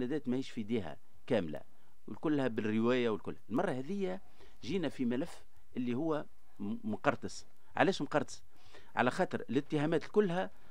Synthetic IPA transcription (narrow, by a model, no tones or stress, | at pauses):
næd̪æːt̪mæhiːʃfid̪iːɦæ̰ | kæːmlæ̰ | wɪlkʊlːhæbɪrːɪwæːjawɪlkʊlːhæɪlmɑrˤːɑhæðɪjːæ | ʒiːnæfimælæfː | ʔɪlːihʊwːæ | mʊqɑɾˤt̪ɨs | ʕa̰læːʃmqɑɾˤt̪ɑ̥s | ʕa̰læxɑːt̪ˤɨɾˤɪlɪt̪ːəhæːmæːt̪lkʊlːhæ